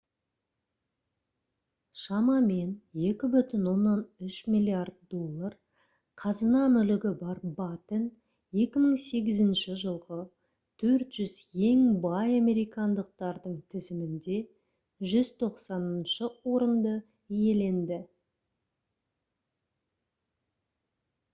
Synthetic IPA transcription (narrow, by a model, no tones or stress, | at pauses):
ʃɑmɑme̞nje̞kʲɪbʏt̪ɪnwo̞nːɑnʏʃmʲilʲˠiard̪̚d̪o̞lˠːɑr | qʰɑzənɑmʏlɪɡʲɪbɑɾbɑt̪ən | je̞kʲɪməɴse̞ɡʲɪzɪnʃɪʒəlˠʁə | t̪ʰɵɾt̪ʒ̥ʏzje̞ŋbɑjɑmʲe̞ɾijkɑnd̪əq̚t̪ɑɾd̪əɴt̪ʰɪzɪmɪnd̪e̞ | ʒʏzt̪ʰo̞qsɑnənʃəwo̞ɾənd̪ə | ije̞le̞nd̪ɪ